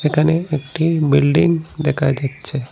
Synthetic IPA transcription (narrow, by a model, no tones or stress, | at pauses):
ekʰaneekʈibɪlɖɪŋɡd̪ekʰad͡ʒatːʃʰe